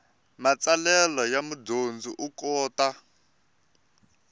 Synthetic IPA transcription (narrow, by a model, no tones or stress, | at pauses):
mat͡salɛlɔjamudond͡zuʔukɔːta